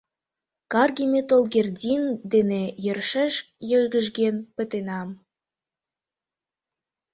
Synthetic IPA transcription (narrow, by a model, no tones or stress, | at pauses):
kɑrɡʲimʲet̪olˠɡʲerdʲind̪enejĕrʃəʃ | jə̆ɡə̆ʒɡenpə̆t̪enɑm